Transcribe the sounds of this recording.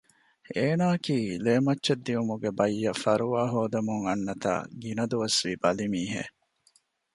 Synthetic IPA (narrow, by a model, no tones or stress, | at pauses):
eːnaːkiːleːmɐtːʃɐd̪ːiumuɡebɐjːɐfɐɾuʋaːɦoːd̪ɐmuŋɐnːɐt̪a̰ːɡinɐd̪uʋɐsʋiːbɐlimiːɦḛ